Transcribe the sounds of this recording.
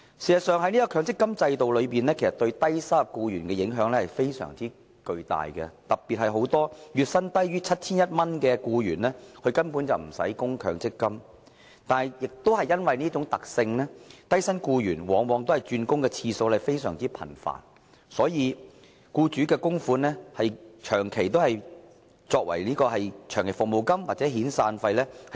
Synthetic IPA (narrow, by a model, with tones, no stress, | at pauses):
si˨˩sɐ˨˩sœː˨ŋɦɐ˥ni˥ɐ˥kʰœː˨˧ŋt͡sɪ˥kːɐ˥mt͡sɐ˧jt̪o˨wlɵ˨˧ɥpiː˨˩nɛː˥kʰe˨˩sɐ˨t̪ɵ˧ɥt̪ɐ˥jsa˥kuː˧jyː˨˩nkɛ˧jɪ˨˥ŋɦœː˨˥ŋlɛː˥hɐ˨jfe˥jsœ̰ː˨˩ŋt͡siː˥ | kɵ˧ɥt̪a̰ː˨jkɛ̰˧t̪ɐ˨k̚pi˨t̚hɐ˨jɦo˨˥wt̪ɔː˥jyː˨˩t̚sɐ˥nt̪ɐ˥jɥyː˥t͡sʰɐ˥t̚t͡sʰiː˥njɐ˥t̚mɐ˥nkɛː˧kuː˧jyː˨˩nlɛː˥kʰɵ˧ɥkɐ˥npuː˨˥nt͡sɐ˨wm̩˨˩sɐ̰˨˥jkʊ˥ŋkʰœː˨˧ŋt͡sɪ˥kːɐ˥m | t̪aː˨˩jjɪ˨k̚t̪o˥whɐ˨jːɐ˥nwɐ˨jniː˥t͡ʃʊ˨˥ŋt̪ɐ˨k̚sɪ˧ŋnɛː˥t̪ɐ˥jsɐ˥nkuː˧jyː˨˩nwɔː˨˥ŋwɔː˨˧ŋt̪o˥whɐ˨˩jt͡ʃyː˧nkʊ˥ŋkɛː˧t͡sʰiː˧so˧wlɛ˨fe˥jsœː˨˩ŋt͡siː˥pʰɐ̰˨˩nfa̰ː˨˩n | sɔː˨˥jiː˨˧ | kuː˧t͡ʃyː˨˥kɛː˧kʊ˥ŋfuː˨˧˥nlɛː˥hɐ˨jt͡ʃʰœː˨˩ŋkʰe˨˩jt̪̬o˥whɐ˨j | t͡sɔː˧k̚wɐ̰˨˩jniː˥kɔː˧hɐ˨jt͡ʃʰœː˨˩ŋkʰe˨˩fʊ˨k̚mo˨˩wkɐ˥mwaː˨t̚t͡sɛː˨˥ɦiː˨˥nsaː˧nfɐ˧jlɛː˥h